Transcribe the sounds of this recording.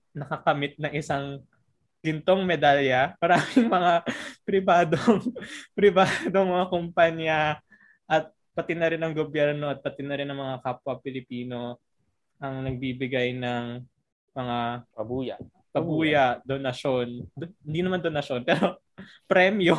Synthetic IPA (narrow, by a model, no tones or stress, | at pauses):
nɐkɐkɐmɪt̪̚nɐŋʔɪsaŋ | ɡ̥ɪnt̪o̞ŋmɛd̪aljɐmɐɾaːmɪŋmɐŋapɾɪbaːd̪oŋpɾɪbaːd̪oŋmɐŋakompaɲjɐ | ʔɐt̪̚ | pɐt̪ɪnːɐɾɪnɐŋɡobjɛɾno̞ʔɐt̪̚pɐt̪ɪnɐɾɪnʔɐŋmɐŋakaːpwɐpɪlɪpiːno̞ | ʔɐŋnɐɡ̚biːbɪɡajnɐŋ | mɐŋaj | pɐbuːjɐd̪onɐʃo̞nd̪hɪnd̪inɐmand̪onɐʃo̞npɛːɾo̞ | pɾɛmjo